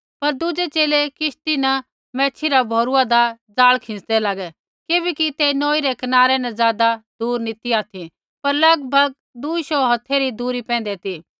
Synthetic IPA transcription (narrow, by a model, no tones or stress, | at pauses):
pɐɾd̪ʊd͡ʒet͡ʃeːlekɪʃt̪inɐ | mɛ̃ːt͡ʃʰiɾabʱoːɾuad̪ad͡zaːɭkʰɪ̃sd̪ɛlaːɡɛ | kɪbɛkit̪enoːiɾɛkɐnaːɾɛnɐzjaːd̪ad̪uːɾnit̪iaːt̪ʰi | pɐɾlɐɡbʱɐɡ̚ | d̪uːiʃɔɦɐt̪ʰːeɾid̪uːɾipɛ̃ːnd̪ɛt̪i